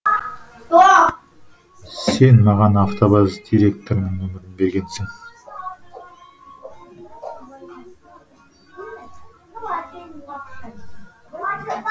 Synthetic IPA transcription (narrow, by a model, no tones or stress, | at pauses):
se̞nmɑʁɑnɑft̪ʰobɑzd̪iɾe̞k̚t̪oɾnɪŋɵmɪɾɪmbe̞ɾɡʲe̞nsɪŋ